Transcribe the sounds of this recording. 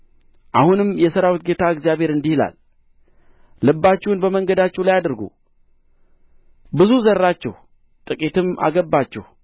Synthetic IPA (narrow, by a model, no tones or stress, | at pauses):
ʔahunɨmjɛsəɾawit̪̚ɡe̞t̪ʰaɨɡzijaβheɾɨnd̪ihila̰l | ɨbːat͡ʃːɛhunbəməŋɡəd̪at͡ʃːɛwlajad̪ɾɡṵ | bɨzuzəɾːat͡ʃːɛ̰h | t̪ʼɨkʼit̪ɨma̰ɡəbːat͡ʃːɛ̰h